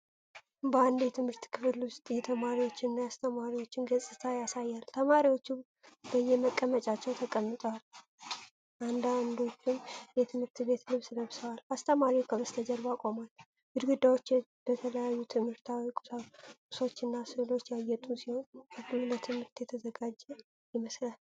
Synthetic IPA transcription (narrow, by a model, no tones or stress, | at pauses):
bəand̪jɛt̪ʰɨmhɨɾt̪kʰɨfɨlust̪ʼjɛt̪ʰəmaɾiwo̞t͡ʃːɪnːajast̪ʰəmaɾiwo̞t͡ʃːɪnɡəsʼɨt̪ʰajasajːalt̪ʰəmaɾiwo̞t͡ʃːu | bəjːɛməkʼːəmət͡ʃʼat͡ʃːɛwt̪ʰəkʼəmːɨt̪ʼəwal | ʔand̪and̪o̞t͡ʃːɪnjɛt̪ʰɨmhɨɾt̪be̞t̪ʰlɨβsɨləβsəwalast̪ʰəmaɾikʰəbəst̪ʰəd͡ʒəɾbakʼo̞mal | b̥ud̪ɡud̪ːawo̞t͡ʃː | b̥ət̪ʰələjajːut̪ʰɨmhɨɾt̪ʰawikʼakʼu̥so̞t͡ʃːɨnːasɨlo̞t͡ʃːjajːɛt̪ʼusiho̞nɨɡlət̪ʰɨmhɨɾt̪jɛt̪ʰəzəɡad͡ʒɛ | jɪməslal